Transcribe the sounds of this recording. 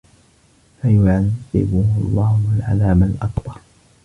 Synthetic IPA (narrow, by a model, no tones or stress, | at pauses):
fajʊʕaðɪ̰bʊhlˤːɑːhʊalʕa̰laːmalʔɑkt̪ˤɑ